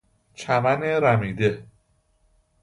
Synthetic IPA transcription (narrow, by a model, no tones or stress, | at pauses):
t͡ʃʰæmæneɾæmiːd̪e̞